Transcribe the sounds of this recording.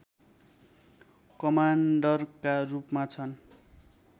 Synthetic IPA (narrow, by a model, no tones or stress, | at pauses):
kʌmaɳɖʌrkarupmat͡sʰʌn